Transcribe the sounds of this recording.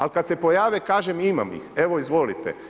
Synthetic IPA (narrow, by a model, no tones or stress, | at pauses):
alkad̪se̞pojaːʋekaːʒemima̰mḭxe̞ʋoizʋo̞lit̪ḛ